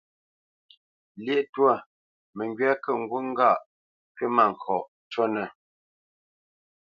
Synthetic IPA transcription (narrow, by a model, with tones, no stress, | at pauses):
lje˦˨ʔtwa˦˨ | mə˨ŋɡɥa˦kə˦˨ŋ̩˦ɡwu˦ŋ˦ɡa˦˨ʔ | pɥe˦ma˦˨ŋ̩˨kʰɔ˨ʔ | t͡ʃɔ˦nə˨